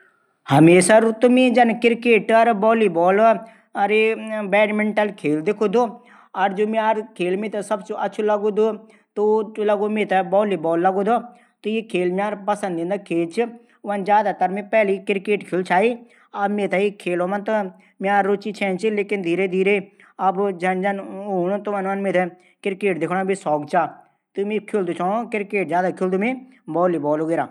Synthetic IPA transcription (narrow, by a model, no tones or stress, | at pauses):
hɐmeːsaɾut̪omẽːd͡ʒɐnkɪɾkeːʈɐɾbɔːliːbɔːl | ɐɾebɛːʈmẽɳʈəlkʰeːld̪ɪkʰoːd̪oː | ɐɾd͡ʒoːmiaːɾkʰeːlmẽːt̪ɐsɐbt͡ʃoʔɐtːt͡ʃʰulɐɡod̪o | t̪olɐɡomẽːt̪abɔːliːbɔːlːɐɡoːd̪o | t̪ojekʰeːlmaːɾpɐsə̃nd̪ẽnd̪akʰeːlt͡ʃʰi | ʋɐnd͡ʒjaːd̪at̪ɐɾmẽːpɛːlikɪɾkeːʈkʰilt͡ʃʰaːiː | ɐbmẽːt̪ɛikʰeːloːmənt̪o | mjaːɾːʊt͡ʃiːt͡ʃʰɛ̃ːnt͡ʃʰileːkɪnd̪ʱiːɾed̪ʱiːɾe | ɐbd͡ʒɐnd͡ʒɐnoːnot̪uʋanʋənmẽːt̪ʰɛ | kɪɾkeːʈ̚d̪ekʰɽ̃ãbisɔːkt͡ʃaː | t̪umẽkʰild̪ut͡ʃʰaːokɪɾkeːʈ̚d͡ʒjaːd̪akʰɪld̪oːmẽbɔːliːbɔːloːɡeːɾaː